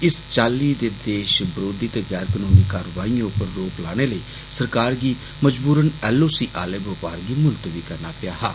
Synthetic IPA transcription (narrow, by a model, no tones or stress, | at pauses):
ɪst͡ʃaːlːiːd̪eːd̪eːʃbəɾoːd̪ɪt̪ːɡɛːɾkənoːmiːkaːɾəʋaːĩːʊpəɾːoːklaːɽ̃eːləiː | səɾkaːɾɡiː | məd͡ʒbuːɾənɛːlːoːsiːʔaːleːbəpaːɾɡiːmʊlt̪ʋiːkəɾnaːpɪjaːɦaː